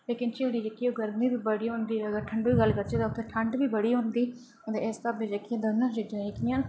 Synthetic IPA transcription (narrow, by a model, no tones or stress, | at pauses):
leːkɪnt͡ʃeɽiːd͡ʒəkːiːoːɡəɾmĩːbiːbəɽiːɦõnd̪iːəɡəɾʈʰəɳɖiːɡəlːkəɾt͡ʃeːt̪aʊt̪ʰːeːʈʰəɳɖʋiːbəɽiːɦõnd̪iː | ət̪eːest̪abed͡ʒəkːɪjãd̪ənːãːd͡ʒɪd͡ʒãːekɪjãːn